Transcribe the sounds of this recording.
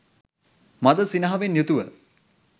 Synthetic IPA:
mad̪əsinɐɦɐʋenjut̪uʋə̰

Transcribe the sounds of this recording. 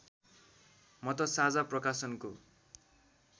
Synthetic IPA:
mʌt̪ʌsad͡zaprʌkasʌnko

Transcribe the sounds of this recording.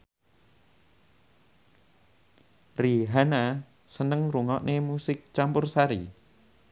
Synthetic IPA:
riɦana | sənəŋruŋɔʔnʔemusɪk̚t͡ʃampʊrsaɾḭ

